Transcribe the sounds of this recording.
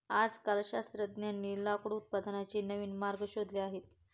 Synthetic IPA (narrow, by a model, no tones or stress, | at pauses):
ad͡zkəlɕast̪ɾəd̪njanːilakɽut̪̚pəd̪ʱanat͡ɕiːnəʋiːnmaɾɡəɕod̪leaɦet̪